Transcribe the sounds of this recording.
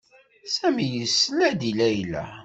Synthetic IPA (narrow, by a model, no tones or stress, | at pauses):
sæmijəsːəlæd̪ilæjlæ̰